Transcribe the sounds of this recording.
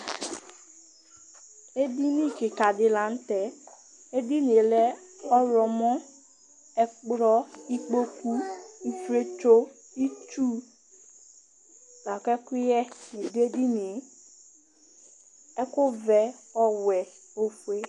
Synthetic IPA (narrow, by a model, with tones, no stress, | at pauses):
e˦di˦nĩ˦˨kɪ˨ka˨dɪ˨la˨˦n̩˦tɛ˨ | e˦di˦ni˨e˨lɛ˦ɔ˦ɾɔ˨mɔ̃˦ | ɛ˨k͡pɾɔ˦i˦k͡po˦ku˦i˨fɾe˦t͡ʃo˦ | i˦t͡ʃu˦ | la˨kɛ˦ku˦jɛ˦ni˨du˦e˦di˦ni˨e˨˦ | ɛ˦kʊ˦vɛ˨ɔ˦wɛ˨ | o˦fu˨e˦